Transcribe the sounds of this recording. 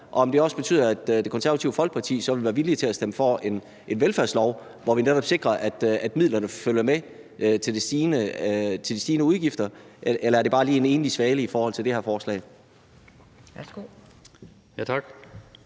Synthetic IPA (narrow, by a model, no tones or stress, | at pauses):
ʔɒ̽ɒ̽md̥e̝ɒ̽səb̥ey̰ð̰ˠɐæd̥d̥e̝kʰɒnsæɐɐt͡sʰiʊəfɒ̽l̰ɡ̥̚pʰɑ̈t͡sʰḭːsɒʋe̝liʋæːɐʋilit͡sʰe̝læsd̥eməfɒe̝n | e̝nʋelfæɐslɒʊ | ʋɒʋineɾ̥ɒ̽b̥se̝ɡ̥ʁɐʔæd̥æd̥mið̰ˠlɐnəføljɐme | t͡sʰe̝ld̥esd̥iːnət͡sʰe̝ld̥isd̥iːnəuð̞ˠɡ̥ifd̥ɐʔelɐæɐde̝b̥ɑ̈ːliːe̝ne̝ːnlisʋɛːləifɒːhɒ̽l̰t͡sʰe̝ld̥e̝hæɐfɒːslɛ̰ɪ | sɡ̥o | jæt͡sʰɑɡ̥